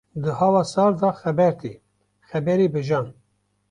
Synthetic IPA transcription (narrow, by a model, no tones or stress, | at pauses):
d̪ɨhɑːwɑːsɑːɾd̪ɑxɛbɛɾt̪iː | xɛbɛɾibɨʒɑːn